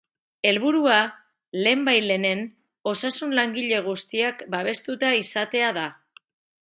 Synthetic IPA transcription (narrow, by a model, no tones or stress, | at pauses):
e̞lβ̞uɾua | le̞ːmbajle̞ne̞n | o̞sasunlaŋɡiʎe̞ɣ̞ust̪iakbaβ̞e̞st̪ut̪aisat̪e̞aða